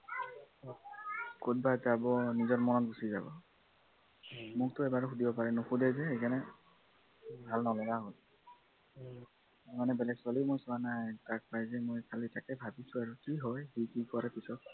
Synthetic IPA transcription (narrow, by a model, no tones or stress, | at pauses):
kot̚bazabɔnizɔɹmɔnɔtbusiza̰bɔ̰ | mʊk̚tʊɛbaɹxudibɔpaɹɛnoxudɛzɛxejkanɛ | bʱalnɔlɔɡaɦɔl | manɛbɛlɛɡswalimojsɔanajtak̚pajzɛmojkʰalitakɛbʱabisʊ̃aɹukiɦɔjikikɔɹɛpisɔt̚